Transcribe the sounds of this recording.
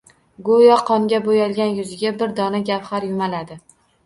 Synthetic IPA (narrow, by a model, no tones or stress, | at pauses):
ɡojɒqʰɒŋɡʲabojɒlˠɡʲanjʊzɪɡʲabɪɾd̪ɒnaɡʲapχaɾjʊmalad̪ɪ